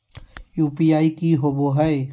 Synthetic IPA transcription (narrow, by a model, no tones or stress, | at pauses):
juːpijaːikiɦoboɦɛe